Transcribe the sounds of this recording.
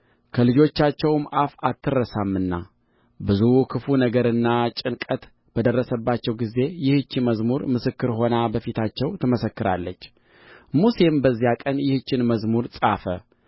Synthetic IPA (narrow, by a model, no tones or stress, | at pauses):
kʰəlɨd͡ʒo̞t͡ʃːat͡ʃːɛwmʔafat̪ːɨrːəsamːɨnːa̰ | bɨzukʰɨfunəɡəɾɨnːat͡ʃʼɪnkʼət̪ | b̥əd̪ərːəsəbːat͡ʃːɛwɡize̞jɪhɨt͡ʃːiməzmuɾmɨsɨkːɨɾɦo̞nabəfit̪ʰat͡ʃːɛwt̪ʰəməsəkːɨɾa̰lːət͡ʃː | musembəzːijakʼənjɪhɨt͡ʃːɪnməzmuɾsʼafə